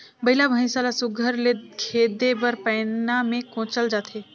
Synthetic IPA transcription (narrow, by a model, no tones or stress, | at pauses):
bəɪlabʱə̃saːlasʊɡʱəɾlekʰeːd̪ebəɾpɛːnamẽkõːt͡ʃəld͡ʒaːt̪ʰeː